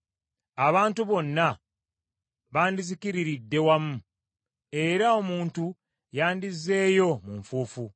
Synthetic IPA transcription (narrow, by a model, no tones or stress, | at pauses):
aβaːntuβo̞nːa | βaːndizikiɾiɾidːe̞wamu | e̞ɾao̞muːntu | jaːndizːe̞ːjo̞muɱfuːfu